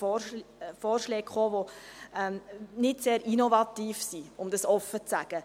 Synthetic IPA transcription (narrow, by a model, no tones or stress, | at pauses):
foːrʃlɛːkχoːʋoɛmnɪtseːɾinovɑt̪iːfsiʊmd̥ɑsɔfːət͡sæɡ̥ə